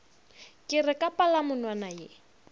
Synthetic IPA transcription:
kʼɪrɛkʼapalamʊnwanajɪ

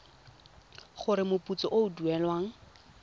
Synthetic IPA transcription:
χʊɾɪmʊput͡sɔʔoʊduɛlwaːŋ̩

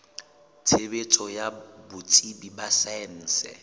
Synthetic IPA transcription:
t͡sʰebet͡sʼɔjabʊt͡sʼibibasɛn̩ːsɛ̰

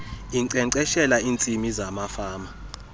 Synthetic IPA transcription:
iǀɛǀɛʃɛlaiːnt͡sʼimizamafaːma

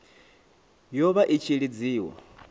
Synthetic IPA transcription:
jɔβaʔit͡ʃʰiɺid͡ziːwɔ̰

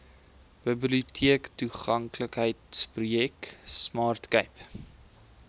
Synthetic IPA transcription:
b̥əbliutʰiəktuχɐŋkləkɦəjtsprujɛksmɑːrtkəjp

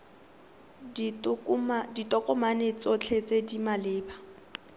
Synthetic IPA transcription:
ditʼɔkʼɔmanet͡sʼɔt͡ɬʰet͡sʼedimalɪːba

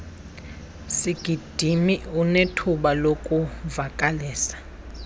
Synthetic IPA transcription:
siɡ̥ʱid̥ʱimiunetʰuɓalokʼuvakʼaliːsḁ

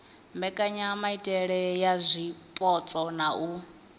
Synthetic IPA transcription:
mbɛkʼaɲamaitʼɛɺɛjazʷipʼɔt͡sʼɔnau

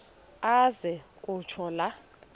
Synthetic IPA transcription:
azɛkʼut͡ʃʰɔla

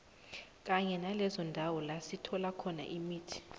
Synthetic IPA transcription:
k̬ʼaɲɛnalɛzɔndʱawɔlasitʰɔlakʰɔna̰ʔimiːtʰi̥

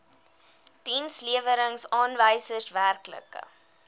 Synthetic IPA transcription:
tinsliəvəɾəŋsɑːnvəjsərsværklə̰kə̰

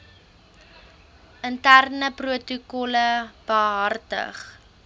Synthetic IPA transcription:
ʔəntærnəpruətukɔləb̥əɦɐrtə̰χ

